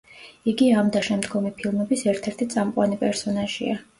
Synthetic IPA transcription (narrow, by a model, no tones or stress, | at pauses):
iɡiamd̪aʃɛmd̪ɡɔmipʰilˠmɛbisɛɾt̪ʰɛɾt̪ʰit̪sʼamqʼwanipʼɛɾsɔnaʒḭa